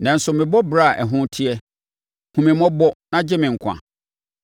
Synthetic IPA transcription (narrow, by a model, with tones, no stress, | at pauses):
nã˨n̩˦sʊ˨mɪ̃˨bɔ˦bɾa˦˨ʔɛ˨ɦʊ̃˦tʰi˦ɛ˦ | hũ˨mɪ̃˨mɔ̃˦bɔ˦nã˦d͡ʑɪ˦mɪ̃˨ŋ̩˨kʰʷã̰˨